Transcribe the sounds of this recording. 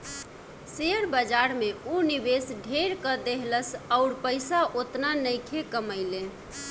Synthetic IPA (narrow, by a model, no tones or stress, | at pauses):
seəɾbəd͡ʒaɾmeonibesɖʱeɾkəd̪eɦləsəʊɾpəɪsaʔot̪nanəjkʰekəməɪle